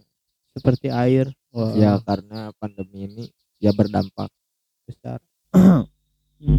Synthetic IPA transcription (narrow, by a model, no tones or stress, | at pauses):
səpərt̪iaɪr | jakaɾənapandəmiːni | jabərdampa̰k̚ | bəst̪a̰r